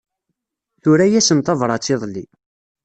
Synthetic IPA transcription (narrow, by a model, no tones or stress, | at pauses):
θʊɾæjæsənt̪ˤɑvɾˤɑt͡sːeðˤlːi